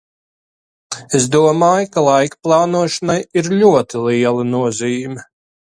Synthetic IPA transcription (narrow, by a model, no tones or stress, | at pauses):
es̬d̪uɔmaːjkalˠajkplˠɑːnuɔʃanajiɾlʲuɔt̪ilˠiɛlˠɨnuɔziːumʲi